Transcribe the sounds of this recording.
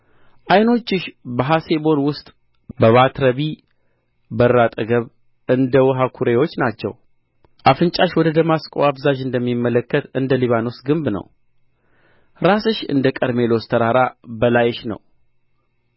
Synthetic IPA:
ʔajno̞t͡ʃːɪʃbəɦase̞bo̞nwʊst̪ʼ | bəβat̪ɾəβi | bərːat̪ʼəɡəβ | ɨnd̪əwɔɦakʰuɾe̞wo̞t͡ʃːnat͡ʃːɛ̰w | ʔafɨnt͡ʃʼaʃwɔd̪əd̪əmaskʼoafzaʒɨnd̪əmːimːələkːət̪ɨnd̪əliβano̞sɡɨmbnə̰w | ɾasɨʃɨ̰nd̪əkʼəɾme̞lost̪ʰəɾaɾabəlajɛʃnə̰w

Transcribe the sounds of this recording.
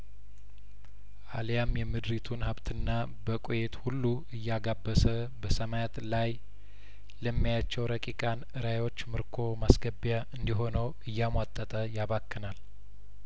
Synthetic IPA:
ʔaljamjɛmɨd̪ɾit̪ʰunhaβt̪ʰɨnːa | bəkʼojet̪hulːu | ɨjːaɡabːəsə | bəsəmajat̪laj | ləmːijat͡ʃːɛwɾəkʼikʼanɨɾajwo̞t͡ʃːmɨɾkʰo̞masɡəbjaʔɨnd̪iɦo̞nəw | ɨjːamwat̪ʼːət̪ʼəjaβakːɨnal

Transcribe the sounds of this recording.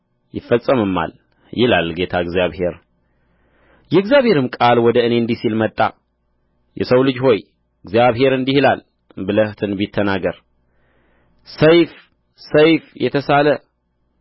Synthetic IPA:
jɪfːəsʼːəmɨmːa̰l | jɪlalɡe̞t̪ʰaɨɡzjaβhe̞ɾ | jɛɨɡzijaβhe̞ɾɨmkʼalwɔd̪əɨne̞ɨnd̪isilmət̪ʼːa̰ | jɛ̰səwlɨd͡ʒho̞j | ɨɡzijaβɦe̞ɾɨnd̪ihilal | bɨləht̪ʰɨnbit̪ʰːənaɡəɾ | səjf | səjfjɛ̰t̪ʰəsalə

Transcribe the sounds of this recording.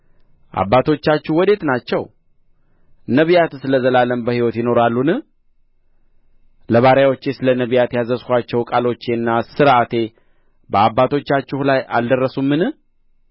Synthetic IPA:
ʔa̰bːat̪ʰo̞t͡ʃːat͡ʃːɪhwɔd̪e̞t̪nat͡ʃːɛw | nəβjat̪sɨləzəlaləmbəhiwɔt̪jɪno̞ɾalːunɨ | ləβaɾjawot͡ʃːesɨlənəβijat̪jazəskʷat͡ʃːɛwkʼalo̞t͡ʃːeɨnːasɨɾʔat̪ʰe̞ | bəabːat̪ʰo̞t͡ʃːat͡ʃːɪhlaja̰ld̪ərːəsumːɨnɨ

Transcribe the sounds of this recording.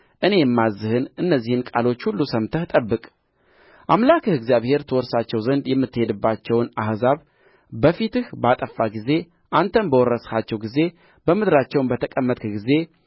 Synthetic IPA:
ʔɨne̞jɛmːazːɨhɨnʔɨnːəzːihɨnkʼalo̞t͡ʃːhulːusəmt̪ʰəht̪ʼəbːɨkʼ | ʔamlakʰɨhɨɡzijaβhe̞ɾt̪ʰəwɔɾsat͡ʃːɛwzənd̪jɛmːɨt̪ːɨhe̞d̪ɨbːat͡ʃːɛwnahzaβ | bəfit̪ɨhbat̪ʼəfːaɡize̞ | ʔant̪ʰənbəwɔrːəshat͡ʃːɛwɡize̞ | b̥əmɨd̪ɾat͡ʃːɛwnbət̪ʰəkʼəmːət̪ʼɡize̞

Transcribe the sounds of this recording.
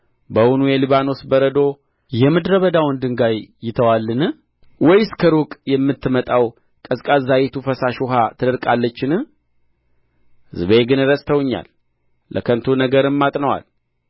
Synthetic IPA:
bəwunujɛlɨβano̞sbəɾəd̪o̞ | jɛmɨd̪ɾəβəd̪awɔnd̪ɨŋɡajːɪt̪ʰəwalːɨnɨ | wɔjskʰəɾukʼjɛmːɨt̪ːɨmət̪ʼaw | kʼəskʼazajet̪ʰufəsaʃuɦat̪ʰɨd̪əɾkʼalːət͡ʃːɪnɨ | hɨzbəeɡɨnɨɾəsʼt̪ʰəwɨɲːa̰lː | ʔə̰kʰənt̪ʰunəɡəɾɨmːat̪ʼnəwa̰l

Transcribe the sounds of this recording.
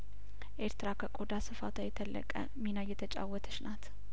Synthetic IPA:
ʔe̞ɾt̪ɨɾakʰəkʼod̪asɨfa̰t̪ʰajɛt̪ʰəlːə̰kʼə̰ | minajɛt̪ʰət͡ʃʼa̰wːɔt̪ʰə̥ʃnat̪

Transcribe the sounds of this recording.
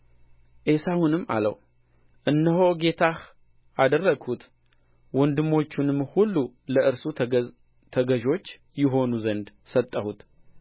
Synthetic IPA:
ʔe̞sahunɨmːa̰lə̰w | ʔɨnːəɦo̞ɡe̞t̪ʰah | ʔad̪ərːəɡhut̪ | wɔnd̪ɨmːo̞t͡ʃːunɨmːhulːuləʔɨɾsu | t̪ʰəɡəʒo̞t͡ʃː | jɪɦo̞nuzənd̪ | sət̪ʼːəhut̪

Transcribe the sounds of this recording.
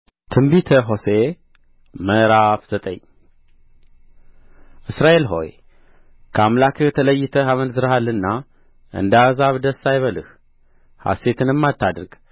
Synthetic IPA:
t̪ʰɨmbit̪ʰəɦo̞se | məɾafz̥ət̪ʼə̰ɲː | ʔɨsɾaʔe̞lɦo̞̰j | kʰamlakʰɨt̪ʰələjːɪt̪ʰəhaβənzɨɾhalːɨnːa | ʔɨ̰nd̪azaβd̪əsːajβəlɨh | ha̰se̞t̪ʰɨnɨmːat̪ʰːad̪ɾɡ̥

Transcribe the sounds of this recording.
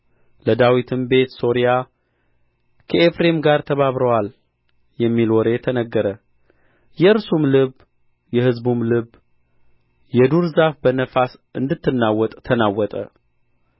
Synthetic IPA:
ləd̪awit̪ʰɨmbe̞t̪so̞ɾija | kʰəefɾe̞mɡaɾt̪ʰəβaβɾəwal | jɛmːilwɔɾe̞t̪ʰənəɡːəɾə | jɛɨɾsumlɨβ | jɛhɨzbumlɨβ | jɛd̪uɾzafbənəfasɨnd̪ɨt̪ːɨnːawːɔt̪ʼt̪ʰənawːɔt̪ʼə̰

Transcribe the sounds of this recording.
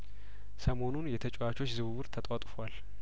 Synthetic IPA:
səmo̞nunjɛt̪ʰət͡ʃʼowat͡ʃʰo̞t͡ʃːzɨβɨwɨɾt̪ʰət̪ʼat̪ʼfwal

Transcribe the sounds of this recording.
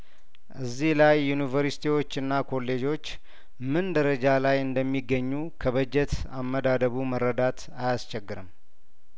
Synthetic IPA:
ʔɨzːihlajːunivəɾsi̥t̪ʰiwo̞t͡ʃːɨnːakʰo̞lːe̞d͡ʒo̞t͡ʃː | mɨnd̪əɾəd͡ʒalajɨnd̪əmːiɡːəɲːu | kʰəβəd͡ʒɛt̪amːəd̪ad̪əβuməɾːəd̪at̪ | ajast͡ʃɛɡːɨɾɨm

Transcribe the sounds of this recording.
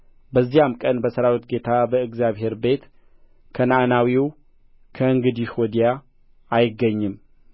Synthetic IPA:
bəzːijamkʼənbəsəɾawit̪ɡe̞t̪ʰabəɨɡzjaβɦe̞ɾbe̞t̪ | kʰənaʔnawiw | kʰəɨŋɡɨd̪iʃwɔd̪ija | ajɪɡːəɲːɨm

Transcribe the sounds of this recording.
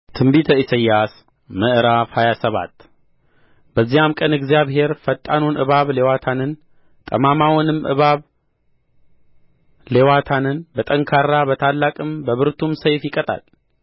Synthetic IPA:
t̪ʰɨmbit̪ʰəisəjːas | məʔɨɾafhajasəβa̰t̪ː | bəzːijamkʼənɨɡzijaβɦe̞ɾfət̪ʼːanonʔɨ̰βaβle̞wat̪ʰanɨn | t̪ʼə̰mamawɔnɨmʔɨ̰βaβ | le̞wat̪ʰanɨnbət̪ʼəŋkʰaɾabət̪ʰalːakʼɨmbəβɨɾt̪ʰumsəjfjɪkʼət̪ʼa̰l

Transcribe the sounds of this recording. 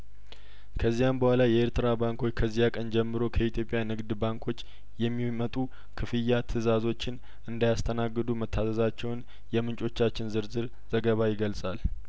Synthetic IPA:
kʰəzːijambəhʷwalajɛeɾt̪ʰɨɾabaŋkʰo̞t͡ʃːkʰəzːijakʼənd͡ʒɛmːɨɾo̞kʰəit̪ʰjo̞pʼjanɨɡd̪baŋkʰo̞t͡ʃː | jɛmːimət̪ʼu | kʰɨfɨjːat̪ʰɨzazo̞t͡ʃːɪn | ɨnd̪ajast̪ʰənaɡːɨd̪umət̪ʰːasəzat͡ʃːɛwn | jɛmɨnt͡ʃʼo̞t͡ʃːat͡ʃːɪnzɨɾzɨɾ | z̥əɡəβajɪɡəlsʼal

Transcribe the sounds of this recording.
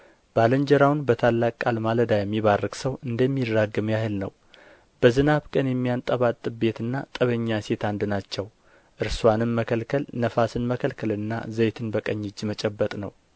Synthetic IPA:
b̥aləɲd͡ʒɛɾawnbət̪ʰalːakʼkʼːalmaləd̪ajɛmːiβarːɨksəwʔɨnd̪əmːidɾaɡɨmjahɨlnə̰w | b̥əzɨnaβkʼənjɛmːijant̪ʼəβat̪ʼːɨbe̞t̪ɨnːat̪ʼəβəɲːaset̪and̪ɨnat͡ʃːɛw | ʔɨɾswanɨnməkʰəlkʰəlnəfasɨnməkʰəlkʰəlɨnːa̰zəjt̪ʰɨnbəkʼəɲːɪd͡ʒːmət͡ʃʼɛbːət̪ʼnə̰w

